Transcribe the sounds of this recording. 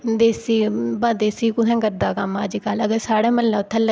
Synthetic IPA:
d̪eːsiːbad̪eːsiːkʊsɛ̃ːkəɾd̪aːkəmaːd͡ʒikaləɡəɾsaːɽaːməlːaʊt̪ʰːalə

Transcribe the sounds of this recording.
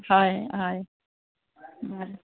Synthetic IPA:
hajhaj | a

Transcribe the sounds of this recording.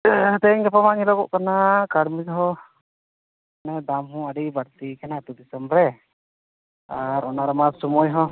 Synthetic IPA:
t̪ɛŋɡɛpamaŋilɔkɔʔkanakaɽmid̪ɦɔ | nad̪amɦũaɖibaɽt̪ikanat̪ud̪isəmɾɛ | aɾɔnaɾɔmasumɔjɦɔ

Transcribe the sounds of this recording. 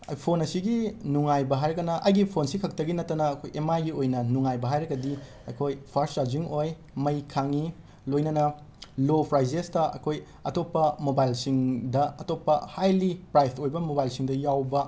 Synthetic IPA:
ɐ̰jpʰonɐsiɡinuŋajbɐɦajɾɐkɡɐnɐʔɐjɡipʰonsikʰɐk̚tɐɡinɐtːɐnɐːkʰojemajɡiojnɐnuŋajbɐɦajɾɐɡɐdi | ɐkʰojpʰaɾst͡ʃaɾd͡ʒiŋoj | mɐjkʰaŋi | lojnɐnɐ | lopʰɾajzestɐɐ̰kʰoj | ɐ̰topːɐmobajlsiŋdɐɐtopːɐhajlipɾajpʰojbɐmobajlsiŋdɐjawbɐ

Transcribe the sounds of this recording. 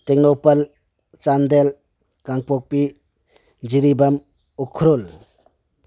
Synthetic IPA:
t̪ek̚nopɐl | t͡ʃand̪el | kaŋpok̚pi | d͡ʒiɾibam | ukʰɾol

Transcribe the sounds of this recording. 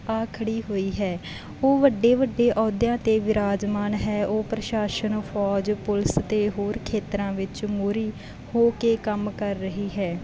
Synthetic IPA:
aːkʰəɽiːɦoːiːɦɛː | oːʋəɖːeːʋəɖːeːʔɔːd̪jãːt̪eːʋɪɾaːd͡ʒmaːnɦɛːʔoːpɾəʃaːʃənpʰɔːd͡ʒpʊlɪst̪eːɦoːɾkʰeːt̪ɾãːʋɪt͡ʃmoːɾiː | hoːkeːkəmkəɾːəɦiːɦɛː

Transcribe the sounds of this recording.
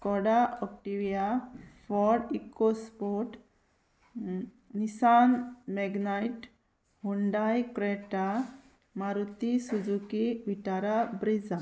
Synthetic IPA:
kɔɽaɔk̚ʈiʋijafɔɾikospoʈ | nisanmɛɡnajʈ | huɳɖajkɾeʈa | maɾut̪isud͡zukiʋiʈaɾabɾid͡za

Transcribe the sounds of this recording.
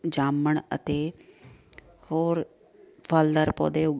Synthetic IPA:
d͡ʒaːməɳə̰t̪eː | hoːɾ | pʰəld̪əɾpo̰ːd̪eːʊ

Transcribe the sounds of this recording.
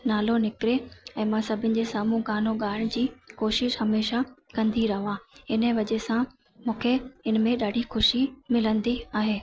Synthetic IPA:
naːlonɪkɾeɛ̃ːmãsɐbʱɪnɪ̆d͡ʑesaːmũɡaːnoɠaːɪɽ̃d͡ʑiːkoːʃɪʃɦɐmeːʃakɐ̃nd̪iɾɐɦʋãːɪnəʋɐʄesã | mũːkʰeɪnmẽɗaːɖʱixʊʃimɪlə̃nd̪iaːɦeː

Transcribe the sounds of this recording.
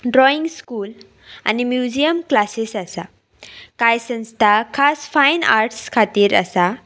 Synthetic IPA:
ɖɾɔiŋskul | ɐ̰nimjuziəmklasisɐsa | kajsənstakʰaspʰajna̰ɾʈskʰatiɾɐ̰sa

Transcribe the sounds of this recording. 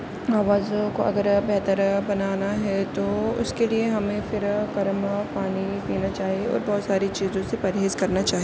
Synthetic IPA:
aːʋaːzõkoʔɐɡəɾbɛɦt̪əɾbɐnaːnaɦɛt̪oʊ̰skelieɦɐmẽfɪɾkɐɾmapaːnipiːnat͡ʃaːɦieɔ̰ːɾbɔːt̪saːɾit͡ʃiːzõsepɐɾɦeːzkɐɾnat͡ʃaːɦie

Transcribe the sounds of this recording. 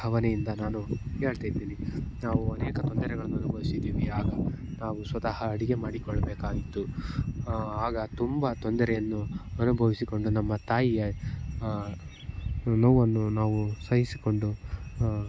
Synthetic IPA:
ɐʋɐnɛjind̪ɐnaːnuke̞ːɭt̪aːjid̪iːninaːʋuɐnɛːkɐt̪ond̪ɐɾɛɡɐɭɐnːuɐnubʱɐʋisid̪iːʋiaːɡɐ | naːʋusʋɐt̪ɐhɐːɽiɡe̞maːɽikɔɭːɐbɛːkaːɡit̪ːu | aːɡɐt̪umbɐt̪ond̪ɐɾɛjɐnːuɐnubʱɐʋisiko̞ɳɖunɐmːɐt̪aːjijɐ | nɐwːɐnːunaːʋusɐjisiko̞ɳɖu

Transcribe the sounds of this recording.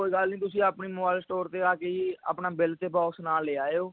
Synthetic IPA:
koːiːɡəlnĩːt̪ʊsĩːapniːmoːbaːɪlsʈoːɾt̪eːaːkeːia̰ːpnaːbɪlt̪eːpɔːksnaːleːaːeoː

